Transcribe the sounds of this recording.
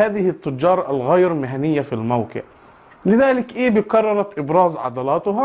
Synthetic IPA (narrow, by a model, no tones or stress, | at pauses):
aːðɪhɪt̪ːʊd͡ʒːɑːɾˤɑʔalɣajɾmɪɦanɪjːafilmawkɪ̰ʕ | lɪðaːlɪkʔeːbɪkɑrˤːɑɾˤɑt̪ʔɪbɾˤɑːzʕɑ̰d̪ɑlɑːt̪ʊɦɑ